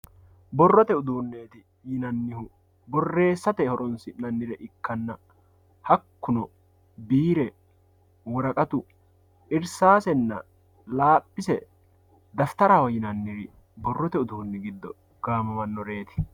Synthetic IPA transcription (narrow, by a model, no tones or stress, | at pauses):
bɔrːɔt̪ɛʊd̪uːnːe̞ːt̪ɪ | jɪnɐnːɪhʊ | bɔrːe̞ːsːɐt̪ɛhɔɾɔnsɪnɐnːɪɾɛʔɪkːɐnːɐ | hɐkːʊnɔ | biːɾɛ | wɔɾɐkʼɐt̪ʊ | ʔɪɾsaːsɛnːɐ̰ | laːpʼːɪsɛ̰ | d̪ɐft̪ɐɾɐwɔjɪnɐnːɪɾɪ | bɔrːɔt̪ɛʊd̪uːnːɪɡɪd̪ːɔ̰ | ɡ̥aːmɐmɐnːɔɾe̞ːt̪ɪ̥